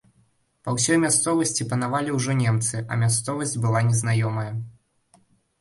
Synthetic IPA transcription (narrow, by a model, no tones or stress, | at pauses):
pɐwsʲɔjmʲast̪sɔvɐsʲt͡sʲipɐnavalʲiwʐɔnʲɛmt̪sɨʔɐ̰mʲast̪sɔvɐsʲdʲd͡zʲbɨlˠanʲɛznajɔmɐjɐ